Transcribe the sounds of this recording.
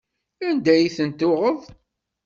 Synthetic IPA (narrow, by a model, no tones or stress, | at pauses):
ænd̪æjiθənt̪ʊʁəðˤ